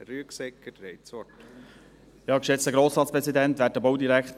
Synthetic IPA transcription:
ɾyəksɛkːətɾeɪsɔt | jɑːkʃɛt͡st̪əɡɾoːsɾɑːt͡spɾɛsid̪ɛnt̪ʋæːt̚ːəbowd̪iɾækχt

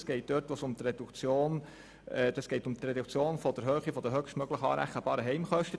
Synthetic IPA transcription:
sɡ̥ɛɪt̚d̥øɾtʋosʊmt̪ɾed̥̪ukt͡sjoːn | ɛd̥̪ɑsɡ̥ɛɪtʊmt̪ɾɛd̪ukt͡sjoːnfɔd̪əɾɦøːχifɔd̥̪əɦøχʃtmœɡ̥ləχɑ̰ːɾæ̰χːəb̥ɑːɾəɦɛɪmχœʃtə

